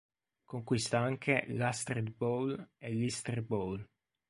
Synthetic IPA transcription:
koŋkwist̪aaŋkʰelast̪ɾet̪̚bolelist̪ɾebol

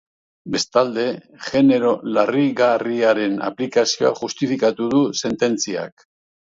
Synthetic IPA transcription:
be̞st̪ald̪e̞ | ʝe̞ne̞ɾo̞lariɣariaɾe̞na̰plikasio̞a̰ʝust̪ifikat̪uð̞use̞nt̪e̞nt͡sia̰k

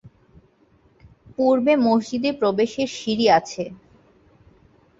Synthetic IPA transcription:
puɾbemoɦd͡ʑid̪epɾobeʃeɾʃiɾiat͡ɕʰe

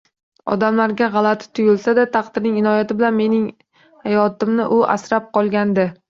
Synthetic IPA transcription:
ɒ̰d̪amlaɾɡʲaʁɑlˠat̪ʰɪ̥t̪ʰʊjɪlsad̪at̪ʰɑqd̪ɪɾnɪŋɪnɒjat̪ɪbɪlanme̞nɪŋ | hajɒt̪ɪmnɪʔʊʔa̰sɾap̚qɒlˠɡʲand̪ɪ

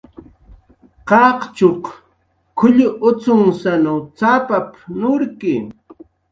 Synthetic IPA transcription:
qɑqt͡ʃoq | kʰʊʎʊʔʊt͡sʊŋsanawt͡sapapnʊɾkɪ

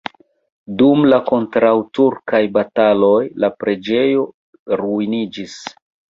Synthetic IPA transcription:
dumlako̞ntɾawtuɾkajbatalo̞jlapɾe̞d͡ʒe̞jo̞ | ɾuinid͡ʒis

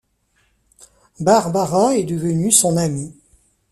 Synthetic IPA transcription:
baʁbaʁaɛd̪əvənysɔ̃nami

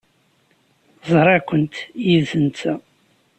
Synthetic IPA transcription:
zˤɾˤɑkʷənt̪jiðθənt͡s̪æ

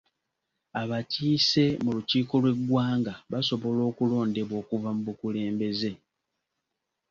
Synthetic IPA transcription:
aβaciːse̞muluciːko̞lwe̞ɡwaːŋɡaβaso̞βo̞lo̞ːkulo̞ːnde̞βo̞ːkuvamuβukule̞ːmbe̞ze̞

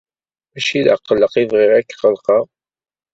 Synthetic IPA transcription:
æʃiðʕqːəlːəqivʁɪʁækːqəlqɑʁ

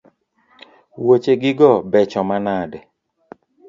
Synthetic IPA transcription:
wot͡ʃeɡɪɡɔbɛt͡ʃɔmanadɛ

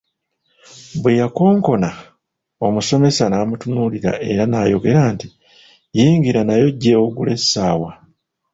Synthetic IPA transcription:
bwejako̞ːŋko̞na | o̞muso̞me̞sanaːmutunuliɾa̰ʔe̞̰ɾanaːjo̞ɡe̞ɾaːnti | jiːŋɡiɾanajo̞ɟːe̞oɡule̞sːaːwa

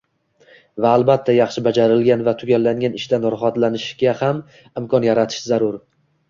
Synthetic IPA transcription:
vaːlˠbat̪ʰːajɑχʃɪbad͡ʒaɾɪlɡʲanvat̪ʰʊɡʲalːaŋɡʲanɪʃd̪anɒɾχat̪lanɪʃɡʲaham | ɪmkʰɒnjaɾat̪ʰɪ̥ʃzaɾʊɾ

